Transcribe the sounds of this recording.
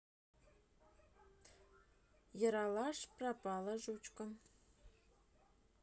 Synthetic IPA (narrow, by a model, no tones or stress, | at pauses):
jɤ̆ɾɑlɑʂprɑpɑlˠɤ̆ʒut͡ɕkɤ̆n